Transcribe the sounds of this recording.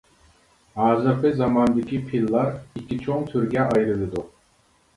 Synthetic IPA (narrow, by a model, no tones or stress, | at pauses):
aːzapɯzamand̪ɯcʲipʰilˠːaɾicʰit͡ʃʰoŋt̪ʰyɾɟɛʔajɾɯlˠɯd̪u